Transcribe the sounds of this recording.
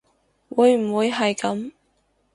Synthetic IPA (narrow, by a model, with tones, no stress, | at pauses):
wuː˨˧jm̩˨˩wuː˨˧jɦɐ˨jkɐ˨˧˥m